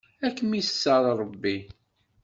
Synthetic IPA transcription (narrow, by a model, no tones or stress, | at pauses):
ækːəmisə̥sːɑðˤɾˤəbːi